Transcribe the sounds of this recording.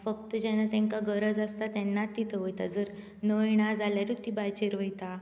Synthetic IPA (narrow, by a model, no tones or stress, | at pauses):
fəkt̪əd͡ʑɛnat̪ɛ̃ŋkaɡəɾəd͡zast̪at̪ɛnːat̪ːit̪ʰəʋəjt̪ad͡zəɾ | nəjɽ̃ad͡zaljaɾut̪ːibajt͡ɕeɾʋəjt̪a